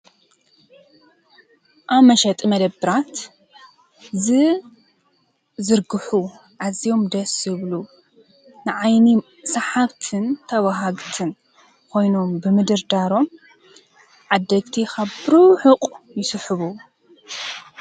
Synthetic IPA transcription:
ʔaβmɐʃɐt̪ʼmɐd̪ɐbɨɾat̪ | zɨ | zɨɾɡɨħu | ʕazijo̞md̪ɐsɨβlu | nɨʕajni | sɐħaβt̪ʰɨnt̪ʰɐwaɦaɡt̪ʰɨn | kʰo̞jno̞mbɨmɨd̪ɨɾd̪aɾo̞m | ʕad̪ːɐɡt̪ʰikʰaβbɨɾuħɨqʼjɪsɨħɨβu

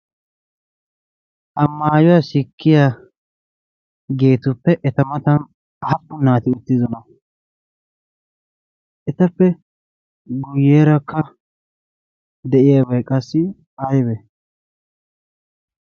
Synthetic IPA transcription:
ʔɐmːaːjʊwasɪkːɪjaː | ɡe̞ːt̪ʊpːɛʔɛt̪ɐmɐt̪ɐn | hɐpːʊnːaːt̪ɪʊt̪ːɪzɔnɐ | ʔɛt̪ɐpːɛ | ɡʊjːeːɾɐkːɐ | d̪ɛʔɪjabɛjkʼɐsːɪ | ɐjbɛ

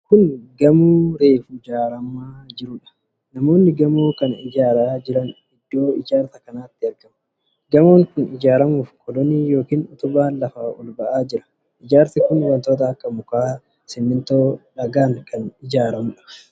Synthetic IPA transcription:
kʊnɡɐmuːɾeːfʊɪd͡ʒaːɾɐmaːd͡ʒɪɾʊᶑɐ̥ | nɐmo̞ːnːɪɡɐmoːkɐnɪ̰d͡ʒaːɾaːd͡ʒɪɾɐn | ɪd̪ːo̞ːɪd͡ʒaːɾt̪ɐkɐnaːt̪ːɪɐɾɡɐmɐ | ɡɐmoːŋkʊnɪd͡ʒaːɾɐmuːfkʰɔd̪ɔnijo̞ːkiːnʊt̪ʊbaːnlɐfaːʔɔlbɐʔaːd͡ʒɪɾɐ̥ | ʔɪd͡ʒaːɾt̪ɪkʊnɪwɐnt̪oːt̪̬ɐːkːɐmʊkaː | sɪmːɪnt̪oːᶑɐɡaːŋkʰɐnɪd͡ʒaːɾɐmʊᶑɐ̥

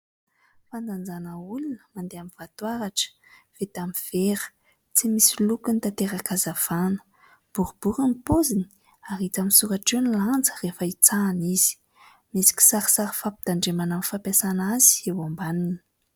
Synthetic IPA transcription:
fand͡z̪and͡zanəulunəmand̪eamivat̪waɾaʈ͡ʂə̥ | v̥et̪amiv̥eɾə̥ | t͡simisilukunit̪at̪eɾakazav̥anə̥ | b̥uɾubuɾəmipozini̥ | aɾit͡saminsuɾaʈ͡ʂeniland͡zə̥refəit͡saːniz̥i̥ | misi̥ki̥saɾə̥saɾəfapid̪̥aɳɖ͡ʐemanamifapasanazi̥ewambanini̥

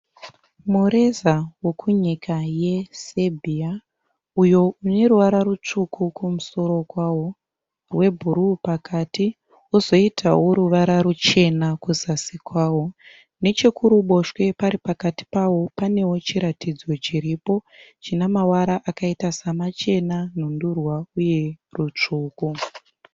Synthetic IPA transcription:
muɾe̞zawo̞kʰuɲikʰaje̞sebʱia | ujo̞une̞ruʋaɾaɾut͡ʂukʰukumuso̞ɾo̞kwawo | rwe̞bʱuɾupakʰati | uzo̞itʰa̰woɾuʋaɾaɾut͡ʃe̞nakuzasikwaːwo̞ | ne̞t͡ʃekʰuɾuɓo̞ʃwe̞paɾipakati̥pawo̞pane̞wo̞t͡ʃiɾatid͡zo̞t͡ʃiɾipo̞t͡ʃinamawaɾaʔakaitasamat͡ʃe̞nan̤undurwauje̞rut͡ʂuːku

